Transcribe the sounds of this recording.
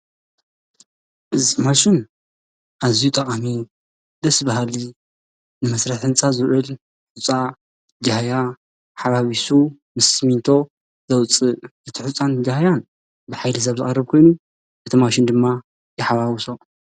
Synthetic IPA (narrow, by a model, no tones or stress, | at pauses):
ʔɨzimaʃɪn | ʔazijut̪ʼɐχʼami | d̪ɐsbaɦali | nɨmɐsɾɐħħɨnt͡sʼazɨɾʔɨl | ħʊt͡sʼa | d͡ʒahaja | ħaβaβisu | mɨsmint̪ʰo̞ | zɐwt͡sʼɨʔɨt̪ʰiħut͡sʼːand͡ʒahjan | bɨħajlɨs̬ɐβzɨxʼɐrːɨβkʰo̞jnu | ʔɨt̪ʰimaʃɪnd̪ɨmːa | jɛħaβawso